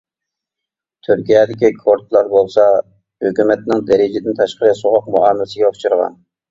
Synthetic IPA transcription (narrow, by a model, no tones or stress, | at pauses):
t̪ʰyɾkʲijɛd̪ɪkʲikʰoɾt̪lˠɑɾbolˠsɑ | høkʲymɛt̪nɪŋd̪ɛɾɪd͡ʒɪd̪ɪnt̪ʰɑʃqəɾɨsoʁɑqmuɑːmlsɪɡʲɛʊt͡ʃʰuɾʁɑ̰n